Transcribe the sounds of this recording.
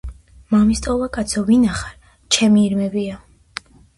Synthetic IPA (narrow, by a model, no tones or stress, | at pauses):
mamist̪ʼɔvakʼat̪sʰɔvinaχaɾ | t͡ʃʰɛmiːɾmɛbia